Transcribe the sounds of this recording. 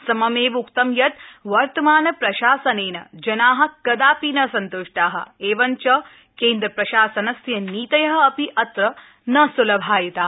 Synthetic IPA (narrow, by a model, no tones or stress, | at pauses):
sɐmɐmeːʋukt̪ɐmjɐt̪ʋɐɾt̪ɐmaːnɐpɾɐʃaːsɐneːnɐd͡ʒɐnaːɦɐ̆kɐd̪aːpiːnɐsɐnt̪oʂʈaːɦɐ̰̆eːʋɐnt͡ʃɐ | keːnd̪ɾɐpɾɐʃaːsɐnɐsjɐniːt̪ɐjɐɦɐ̆ɐpiʔɐt̪ɾɐ | nɐsulɐbʱaːjɐt̪aː